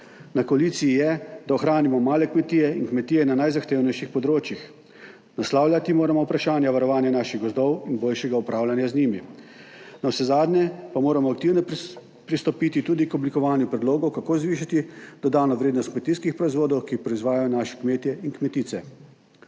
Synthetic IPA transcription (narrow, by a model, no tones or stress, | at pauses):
nakɔaliːt̪sijijɛd̪aoxɾaːnimɔmaːlɛkmɛt̪iːjɛinkmɛt̪iːjɛnanajzaxt̪eːwnɛjʃixpɔd̪ɾoːt͡ʃjix | naslaːwlʲjat̪imoːɾamɔwpɾaʃaːnjaʋaɾɔʋaːnjanaʃiɣɡɔzd̪ɔwinboːlʃɛɡaupɾaːwlʲanjazniːmi | nawsɛzaːd̪njɛpamoːɾamɔak̚t̪iːwnɔ | pɾist̪ɔpit̪it̪uːd̪ikɔblikɔʋaːnjupɾɛd̪loːɡɔwkakoːzʋiːʃat̪id̪̥ɔd̪aːnɔʋɾeːd̪nɔst̪kmɛt̪iːskixpɾɔizʋoːd̪ɔwkixpɾɔizʋaːjajɔnaːʃɛ̥kmeːt̪jɛinkmɛt̪iːt̪sɛ